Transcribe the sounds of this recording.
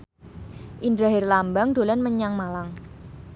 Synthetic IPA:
ʔindɾaɦɛrlambaŋd̥olɛnməɲaŋmalaŋ

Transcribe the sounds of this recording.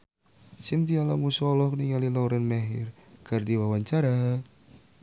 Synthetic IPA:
sint̪ialamusɔlɔhkniŋalilauɾanmɛɦirkɨrdiwawaɲt͡ʃaɾa

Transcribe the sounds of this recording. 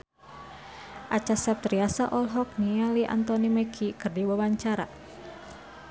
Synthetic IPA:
ʔat͡ʃasɛp̚t̪ɾiasaʔɔlɦɔk̚nialiʔa̰nt̪ɔnimɛkʰikɨrdiwawaɲt͡ʃaɾa̰

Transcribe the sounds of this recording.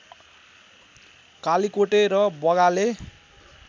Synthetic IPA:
kalikoʈeɾʌbʌɣale

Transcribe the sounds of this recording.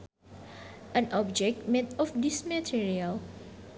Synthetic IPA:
ə̃nʔɔb̚d͡ʒɛk̚t̚mɛ̃tɔfdismətʰiɹiəl

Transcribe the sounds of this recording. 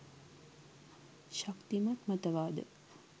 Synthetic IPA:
ʃakt̪imɐt̪mɐt̪əʋaːd̪ə̰

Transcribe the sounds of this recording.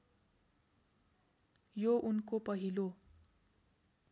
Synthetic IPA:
joʔunkopʌɦilo

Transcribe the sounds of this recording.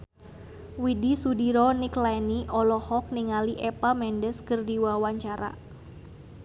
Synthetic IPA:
widisudiɾɔniklaniʔɔlɔhɔk̚niŋaliʔɛpamɛndɛskərdiwawaɲt͡ʃaɾa̰

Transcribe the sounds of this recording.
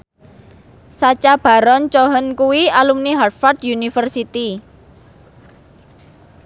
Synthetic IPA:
sat͡ʃab̥a̤ɾɔnt͡ʃɔɦənkuwialumniɦarfard̪̥junifərsit̪i

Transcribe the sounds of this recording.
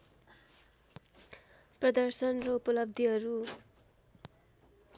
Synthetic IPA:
prʌd̪ʌrsʌnrʌupʌlʌb̚d̪ʱiɦʌɾu

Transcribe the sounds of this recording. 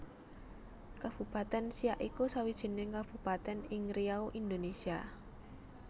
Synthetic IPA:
kab̥ṳpat̪ɛnsiaʔikusawid̥ʒ̥i̤nɪŋkab̥ṳpat̪ɛnɪŋriaoʔind̪onesia

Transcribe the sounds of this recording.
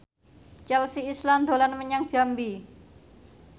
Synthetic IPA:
t͡ʃɛlsiːsland̪o̤lanməɲaŋd͡ʒ̥ambi

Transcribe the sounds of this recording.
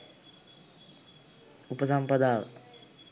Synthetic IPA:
upəs̬ampəd̪aːʋə̰t̪

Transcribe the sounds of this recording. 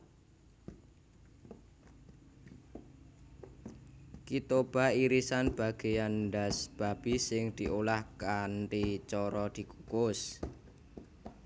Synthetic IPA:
kit̪ob̥aiɾisanb̥a̤ɡ̥e̤janɖasb̥ab̥isɪŋd̪̥i̤ʔolahkanʈit͡ʃɔɾɔd̪̥i̤kukʊs

